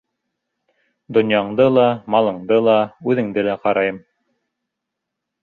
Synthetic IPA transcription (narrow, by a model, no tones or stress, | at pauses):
d̪ŏnjɑɴd̪ɤlˠɑmɑlˠɤ̆ɴd̪ɤlˠɑʉðɘ̆ŋd̪ɘlæqɑɾɑjɤm